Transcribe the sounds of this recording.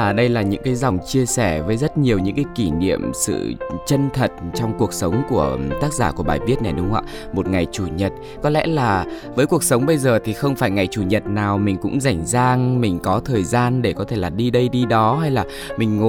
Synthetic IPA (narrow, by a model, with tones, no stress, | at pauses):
ɗə˧jlaː˨˩ɲɨ̰˧˥ŋkaː˨˦jzɔ˨˩wŋ͡mt͡ɕi˧əsɛ˧˩vəː˨˦jzə˦˥t̚ɲi˨˩əwɲɨ̰˧˥ŋkaː˨˦jki˧˩nḭ˧˨əmsɨ̰˧˨t͡ɕə˧nt̪ʰə˨˩t̚t͡ɕɔ˧wŋ͡mku˨˩ək̚sə˨˦wŋ͡mku˧˩ət̪aː˦˥k̚zaː˧˩ku˧˩əɓaː˨˩jvi˦˥ət̚na˨˩jɗʊ˨˦ŋ͡mʔa̰ː˧˨ | mo˨˩t̚ŋa˨˩jt͡ɕu˧˩ɲə˨˩t̚ | kɔ˨˦lɛ̰˧˥laː˨˩vəː˨˦jku˨˩ək̚sə˨˦wŋ͡mɓə˧jzəː˨˩t̪ʰi˨˩xə˧wŋ͡mfaː˧˩jŋa˨˩jt͡ɕu˧˩ɲə˨˩t̚naː˨˩wmï˨˩ŋ̟kʊ̰˧˥ŋ͡mza˧˩jŋ̟zaː˧ŋmï˨˩ŋ̟kɔ˨˦t̪ʰəː˨˩jzaː˧nɗe˧˩kɔ˨˦t̪ʰe˧˩laː˨˩ɗi˧ɗə˧jɗi˧ɗɔ˨˦ɦa˧jlaː˨˩ | mï˨˩ŋ̟ŋo˧˨